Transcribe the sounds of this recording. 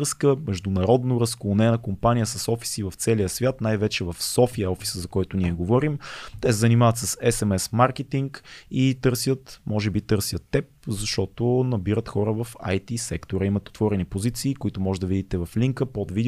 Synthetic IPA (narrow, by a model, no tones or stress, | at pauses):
skəmɛʒd̪ʊnɐɾɔd̪noɾəskonɛnəkompanʲijəsɐsɔfi̥sivɐft̪sɛliəsvʲjat̪najvɛt͡ʃɛvɐfsɔfiəɔfi̥səzɐkɔjt̪ʊniɛɡovɔɾimt̪ɛsɛzənimavət̪səsɛsɛmɛsmaɾkɛt̪iŋkit̪ɤɾsʲjət̪mɔʒɛbit̪ɤɾsjət̪ːɛp̚zɐʃt̪ɔt̪onɐbiɾət̪xɔɾəvɐfa̰jt̪isɛkt̪oɾəimət̪ɛot̪vɔɾɛnipozit̪siːkʊit̪ʊmɔʒɛd̪ɐvid̪it̪ɛvɐfliŋkəpɔd̪vid̪